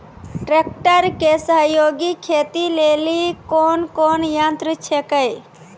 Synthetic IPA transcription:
ʈɾek̚ʈəɾkesəɦjoɡikʰet̪ilelikonkonjãnt̪ɾət͡ʃʰekəj

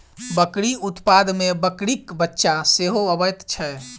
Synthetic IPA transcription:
bəkɽiut̪pad̪mebəkɽikbətːʃaseɦoəbəjt̪t͡ʃʰɛ

